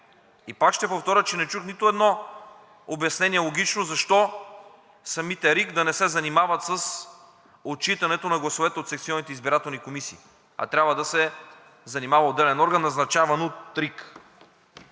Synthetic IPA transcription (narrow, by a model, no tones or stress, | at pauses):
ipakʃt̪ɛpoft̪ɔɾʲət͡ʃɛnɛt͡ʃuxnit̪ʊɛd̪nɔ | objɐsnɛniɛlˠoɡʲit͡ʃnozɐʃt̪ɔ | sɐmit̪ɛɾikd̪ɐnɛsɛzɐnimavɐt̪səs | ot͡ʃit̪ɐnɛt̪onɐɡlˠɐsovɛt̪ɛot̪sɛkt̪siɔnit̪ɛizbiɾat̪ɛlˠnikomisiː | ɐ̰t̪ɾʲabvəd̪ɐsɛ | zɐnimavɐod̪ːɛlɛnɔɾɡənːɐznɐt͡ʃavɐnot̪ːɾik